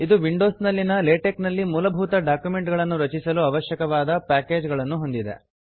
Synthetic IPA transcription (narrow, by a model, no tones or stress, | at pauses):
id̪uʋiɳɖo̞ːsnɐlːinɐleːʈeknɐlːimuːlɐbʱuːt̪ɐɖaːkjume̞ɳʈɡɐɭɐnːuɾɐt͡ʃisɐluɐʋɐʃjɐkɐʋaːd̪ɐpaːke̞ːd͡ʒɡɐɭɐnːuɦo̞nd̪id̪e̞̰